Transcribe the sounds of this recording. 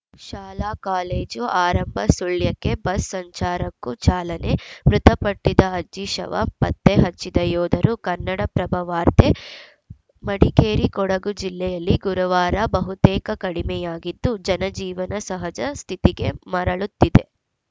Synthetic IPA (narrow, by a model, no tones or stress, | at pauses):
ʃaːlaːkaːleːd͡ʒuaːɾɐmbʱɐsuɭjɐkːe̞bɐsːɐɲt͡ʃaːɾɐkːut͡ʃaːlɐne̞mɾut̪ɐpɐʈːid̪ɐɐd͡ʒiʃɐ̰ʋɐ̰pɐ̰t̪ːeɦɐt͡ʃːid̪ɐjɔːd̪ɐɾukɐnːɐɽɐpɾɐbʱɐʋaːɾt̪ʰe̞ | mɐɽikeːɾikɔɽɐɡud͡ʒilːɛjɐlːiɡuɾɐʋaːɾɐbɐɦut̪ɛːkɐkɐɽimɛjaːɡid̪ːud͡ʒɐnɐd͡ʒiːʋɐnɐsɐɦɐd͡ʒɐst̪ʰit̪iɡe̞mɐɾɐɭut̪ːid̪e̞̰